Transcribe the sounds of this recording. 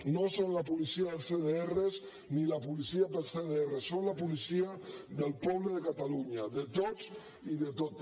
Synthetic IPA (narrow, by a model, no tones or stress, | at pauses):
nosonlapulisiaðəlˠseðeerez | nilapulisiapelseðeeresonlapulisiaðəlpɔβləðəkat̪aluɲaðət̪oz | iðət̪ot̪